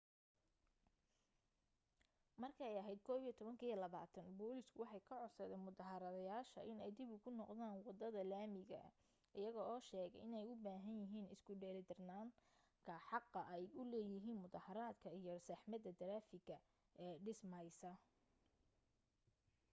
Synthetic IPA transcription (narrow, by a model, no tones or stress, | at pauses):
mɐrkʰɐɛjɐɦɛjd̪̚kʰɔːβijɛt̪ʰɔβɐŋkʰɐjɔlɐβa̰ːt̪ʰɐnbɔːlɪskʰʊwɑħɑjkʰɐʕɔsɐðɛːnmʊðɑɦɐɾɐðɐjaːʃɐ̰ʔɪnɛjd̪ɪbʊkʰʊnɔqðaːnwɑd̪ɐðɐlaːmɪɣɐ̰ | ʔɪjɐɣɔɔːʃɛːɣɛjɪnɛjʊbaːɦɐnjɪɦiːnɪskʰʊɖɛːld̪ɪrnaːŋ | kʰɐħɑqːɐʔɛjʊlɛːjɪɦiːnmʊðɑhɐɾaːd̪kʰɐijɔsɐħmɐd̪ɐd̪ɐɾaːfɪɡɐ | ʔɛːɖɪsmɐjsɐ